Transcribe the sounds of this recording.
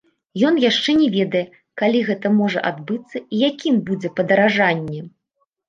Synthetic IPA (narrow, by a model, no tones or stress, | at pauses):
jɔnjaʂt͡ʂɛnʲɛvʲɛd̪ɐjɛ | kalʲiɣɛt̪ɐmɔʐɐ̰ʔad̪bɨt̪sːɐijakʲimbud͡zʲɛpɐd̪ɐɾaʐanʲːɛ